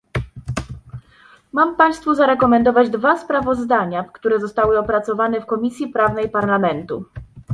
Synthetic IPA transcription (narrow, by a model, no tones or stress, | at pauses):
mampaj̃st̪fuzaɾɛkɔmɛnd̪ɔvad͡ʑd̪vaspɾavɔzd̪aɲafkt̪uɾɛzɔst̪awɘɔpɾat̪sɔvanɛfkɔmʲisʲjipɾavnɛjpaɾlamɛnt̪u